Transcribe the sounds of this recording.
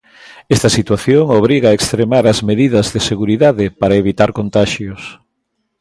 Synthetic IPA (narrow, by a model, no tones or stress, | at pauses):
ɛst̪ɐsit̪waθjoŋoβ̞ɾiɣaekst̪ɾemaɾɐzmeðiðɐzðeseɣuɾiðaðɪpaɾɐeβit̪aɾkont̪aʃjʊs